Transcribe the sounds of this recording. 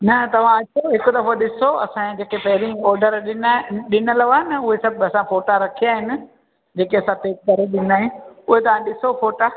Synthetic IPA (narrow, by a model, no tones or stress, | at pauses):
nɐt̪ɐʋ̤ãɐt͡ʃʰoɦɪkʊd̪ɐfoɗɪsoɐ̰sãd͡ʑeːkʰepɐɦɪɾĩɔːɾɖəɾɗɪnɗɪnəlɐʋaːnɐʊɦesɐbʱɐsãfoːʈaɾɐkʰijaːɦɪnɪ̆ | d͡ʑeːkeɐsãt̪eːk̚kɐɾeɗɪn̆d̪aːɦɪnɪʊɦet̪ɐʋ̤ãɗɪsofoːʈa